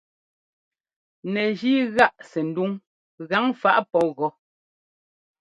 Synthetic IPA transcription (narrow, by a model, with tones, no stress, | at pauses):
nɛ˨d͡ʒiː˦ɣa˦˨ʔsɛ˨n̩˨˦du˦ŋ | ɣa˨˦ŋfa˦ʔpɔ˨˦ɣɔ˨˦